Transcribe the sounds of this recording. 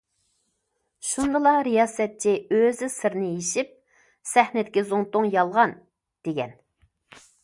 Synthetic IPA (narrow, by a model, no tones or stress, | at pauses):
ʃund̪ɨlˠɑɾijɑːsɛt̪̚t͡ʃʰiøzɪsɨɾnɪjeʃip̚ | sɛhnɪd̪ɪkʲizoŋt̪ʊŋjɑlˠʁɑn | d̪̥eɡʲɛ̰n